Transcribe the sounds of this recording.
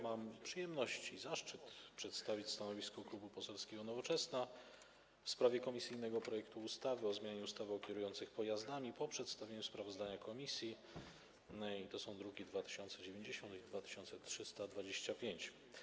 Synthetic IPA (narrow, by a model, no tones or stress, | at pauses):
mampʂɘjɛmnɔɕt͡ɕizaʂt͡ʂɘt̪pʂɛt̪st̪avʲit͡ɕst̪anɔvʲiskɔklubupɔsɛlskʲɛɡɔnɔvɔt͡ʂɛsna | fspɾavʲjɛkɔmʲisɘjnɛɡɔpɾɔjɛkt̪uːst̪avɘɔzmʲjaɲɛust̪avɘɔkʲɛɾujɔnt̪sɘxpɔjazd̪amʲipɔpʂɛt̪st̪avʲeɲuspɾavɔzd̪aɲakɔmʲisʲji | it̪ɔsɔ̃w̃d̪ɾuɡʲid̪vat̪ɘ̥ɕɔnt̪sɛd͡ʑevʲjeɲd͡ʑeɕɔ̃nt̪id̪vat̪ɘ̥ɕɔnt̪sɛt̪ʂɘst̪ad̪vad͡ʑeɕt͡ɕapʲjeɲt͡ɕ